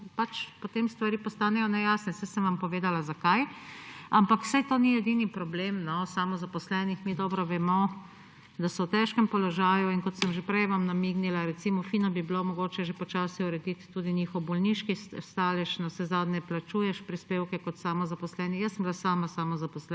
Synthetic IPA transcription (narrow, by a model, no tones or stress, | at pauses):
pat͡ʃpot̪emst̪ʋaɾipɔst̪aːnɛjɔnɛjaːsnɛsɛsəmʋampɔʋeːd̪alazakaj | ampakw̥sajt̪oːniɛd̪inipɾɔblemnɔsamɔzapɔslɛːnixmid̪ɔːbɾɔʋɛmɔ | d̪asɔwt̪ɛʃkɛmpɔlɔʒaːjuinkɔt̪səmʒepɾɛjʋamnamiɡnilaɾɛt̪simɔfiːnɔbibilomɔɡoːt͡ʃɛʒepɔt͡ʃaːsiuɾɛd̪it̪ːuːd̪iniːxɔwbɔlniʃkist̪aːlɛʃnawsɛzaːd̪nɛplat͡ʃuːjɛʃpɾispeːwkɛkɔt̪saːmɔzapɔslɛːnijəsːəmbilasaːmasamɔzapɔslɛ